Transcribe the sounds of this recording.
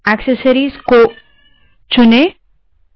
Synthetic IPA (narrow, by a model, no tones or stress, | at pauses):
ɛksəsəɾizko | t͡ʃʊne